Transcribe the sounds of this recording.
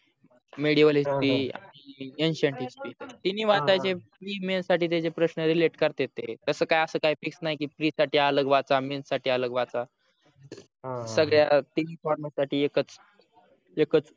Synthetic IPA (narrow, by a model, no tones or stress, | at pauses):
meɽiʋəlispiːa̰ɽ̃ienɕəɳʈispiːt̪et̪inːiːʋat̪at͡ɕepɾimensaʈiːt̪̬et͡sepɾəɕnəɾileʈkəɾt̪et̪et̪əsəːkajəsəːkaɦifiksnaɦikiːfɾiːsaʈiːələɡʋat͡samensaʈʰiːələɡʋat͡sa | səɡɭjat̪iniːfɔɾməsaʈʰiːekət͡s | ekət͡s